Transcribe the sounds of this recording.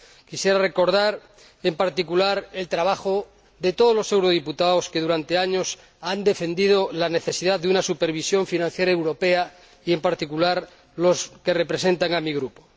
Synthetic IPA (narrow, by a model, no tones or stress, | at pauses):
kisje̞ɾare̞ko̞ɾðaɾ | empaɾt̪ikulaɾe̞lt̪ɾaβ̞axo | ðe̞t̪oð̞o̞lo̞se̞wɾo̞ðiput̪aoskeð̞uɾant̪e̞aɲo̞s | and̪e̞fe̞nd̪ið̞olane̞θe̞siðaððeunasupe̞ɾβ̞isjo̞ɱfinãn̟θje̞ɾaewɾo̞pe̞a | ie̞mpaɾt̪ikulaɾ | lo̞ske̞re̞pɾe̞se̞nt̪aŋamiɣ̞ɾupo̥